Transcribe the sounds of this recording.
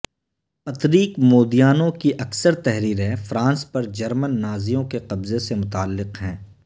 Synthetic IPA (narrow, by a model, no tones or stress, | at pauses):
pɐt̪ɾiːkmoːd̪ijaːnõkiʔɐksəɾt̪ɛɦɾiːɾɦɛ̃fɾãːnspɐɾd͡ʒɐɾmənːaːzijõkeqɐbzesemʊt̪aːlːɪqɦɛ̃ː